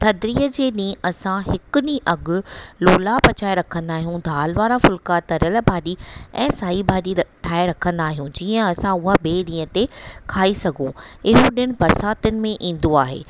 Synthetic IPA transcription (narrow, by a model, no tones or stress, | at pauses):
t̪ʰɐd̪ɾiːəd͡ʑeːɗĩːɐsãɦɪkʊnĩʔɐɡʊ̆loːlapɐt͡ɕaːeɾɐkʰə̃nd̪aːɦijũd̪ʱaːlʋaːɾafʊlkat̪ɐɾəlbʱaːɗiɛ̃ːsaːibʱaːɗiʈʰaːeɾɐkʰə̃nd̪aːɦijũd͡ʑiːə̃ɐsãʊɦaɓeːɗĩːə̃t̪ekʰaːisɐɡʱõɪɦoɗɪɽ̃ɪ̆bɐɾsaːt̪ʊnɪ̆mẽʔĩːn̆d̪oaːɦḛː